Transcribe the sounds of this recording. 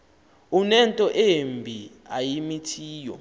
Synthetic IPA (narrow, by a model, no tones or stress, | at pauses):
unɛntʼɔʔembʱi | ajimitʰiːjɔ̰